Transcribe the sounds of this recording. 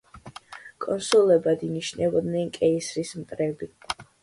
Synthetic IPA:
kʼɔnsulɛbad̪iniʃnɛbɔd̪nɛnkʼɛisɾismt̪ʼɾɛbi

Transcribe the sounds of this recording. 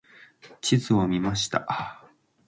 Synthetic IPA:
t͡ɕizɨo̞mʲimaɕi̥t̪a̰

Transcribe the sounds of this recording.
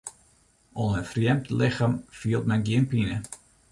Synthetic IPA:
ɔnənfrjɛmtlɪxamfiəlˠtmɛnɡiənpinə

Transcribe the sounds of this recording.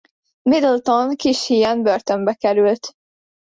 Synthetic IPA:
mid̪əlt̪onkiʃhijɛnbørt̪ømbɛkɛɾylt̪

